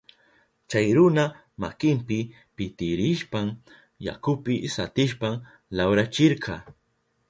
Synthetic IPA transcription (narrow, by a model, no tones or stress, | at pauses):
t͡ʃajɾʊna | ma̰kɪmpɪ | pɪt̪ɪɾɪʃpam | ja̰kʊpɪsat̪ɪʃpam | lawɾat͡ʃɪɾqʰɑː